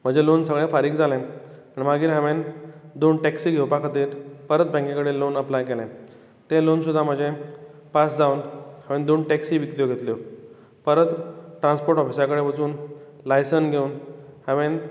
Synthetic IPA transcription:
m̤əd͡ʑelonsəɡɭefaɾiːɡd͡zalɛ̃ | aɳimaɡiːɾɦãʋend̪onʈɛksiːɡʱewpakʰat̪iːɾpəɾət̪̚bə̃ŋkẽkəɽelonəplajkelɛ̃ | t̪elonsud̪ʱːam̤əd͡ʑe | pasd͡zaunhãʋẽnd̪onʈɛksiːʋit̪lijoɡʱet̪ljo | pəɾət̪ʈɾãnspoɾʈɔfisakəɽeʋət͡suːn | lajsənɡʱeunhãʋen

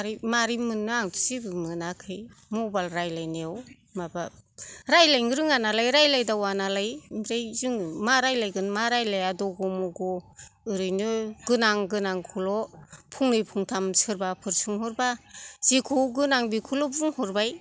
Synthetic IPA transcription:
ɾimaɾimɯnːɯaŋtusibɯmɯnakʰɯj | mɔbalɾajlajneaw | mabaɾajlajŋɯɾɯŋanalajɾajlajdawanalajmiɾajzɯŋmaɾajlajɡɯnmaɾajlajadɔɡɔmɔɡɔɯɾɯjnɯɡɯnaŋɡɯnaŋkʰulɔpʰuŋnɯjpʰuŋtʰamsʰɯɾbapʰɯɾsʰɯŋɦɔɾbaz̥ikʰowɡɯnaŋbikʰulɔbuŋhɔɾbaj

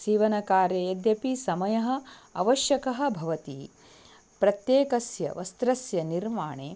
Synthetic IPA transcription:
siːʋɐnɐkaːɾjɐjɐd̪jɐpisɐmɐjɐɦɐ̆ɐʋɐʃjɐkɐɦɐ̆bʱɐʋɐt̪i | pɾɐt̪jeːkɐsjɐ̰ʋɐst̪ɾɐsjɐniɾmaːɳeː

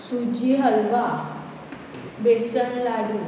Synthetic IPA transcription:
sud͡ʑiɦəlba | besənlaɽu

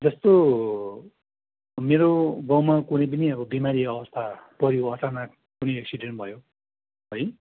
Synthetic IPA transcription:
d͡zʌst̪o | meɾoɡʌ̃wmakunʌjp̬ʌniʌbʌbimaɾiʌbʌst̪ʰapʌɾjoʌt͡sana | kunʌjʌksiɖeɳʈbʱʌjo | ɦʌj

